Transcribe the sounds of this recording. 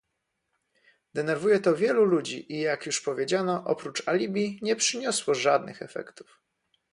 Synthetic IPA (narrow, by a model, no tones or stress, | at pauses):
d̪ɛnɛɾvujɛt̪ɔvʲjɛlulud͡ʑiʔijakjuʂpɔvʲjed͡ʑanɔʔɔ̰pɾut͡ʂalʲibʲjiɲɛpʂɘɲɔswɔʐad̪nɘ̰xɛfɛ̰kt̪u̥f